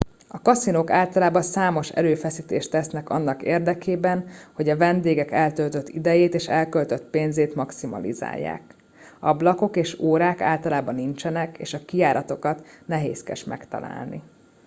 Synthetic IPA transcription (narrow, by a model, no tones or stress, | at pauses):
ɒkɒsinoːkaːlt̪ɒlaːbɒnsaːmo̞ʃɛ̰ɾøːfɛsiːt̪eːʃt̪ɛsnɛkɒ̰nːɒkḛːrd̪ɛkeːbɛnho̞ɟɒvɛnd̪eːɡɛkɛlt̪ølt̪øt̪ːid̪ɛjeːt̪eːʃɛlkølt̪øt̪peːnzeːt̪mɒksimɒ̰lḭza̰ːjːa̰ːk | ɒblɒko̞keːʃoːɾaːka̰ːlt̪ɒlaːbɒnːint͡ʃɛnɛkḛːʃɒkiaːɾʔɒt̪o̞kɒt̪nɛɦḛːskɛ̰ʃmɛ̰kt̪ɒ̰la̰ːlnḭ